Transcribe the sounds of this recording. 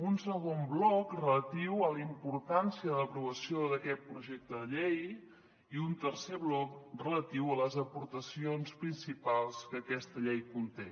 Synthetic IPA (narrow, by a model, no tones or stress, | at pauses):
unsəɣomblɔkrələt̪iwələimpuɾt̪ansiəðələpɾuβəsioðəkɛt̪̚pɾuʒek̚t̪əðəʎej | iunt̪əɾseβlɔk̚rələt̪iwələzəpuɾt̪əsionspɾinsipalˠskəːkɛst̪əʎejkunt̪e